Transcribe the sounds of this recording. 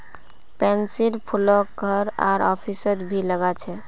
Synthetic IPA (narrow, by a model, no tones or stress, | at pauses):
pɛnsilpʰulɔk̚ɡʱəɾa̰ɾɔpʰisəɾbʱiləɡat͡ʃʰɛ